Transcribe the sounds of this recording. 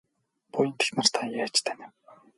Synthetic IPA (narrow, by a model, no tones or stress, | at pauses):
pʊjə̆nt̪ʰi̥xnə̆r̥t̪ʰaŋjaːt͡ɕt̪ʰænĭ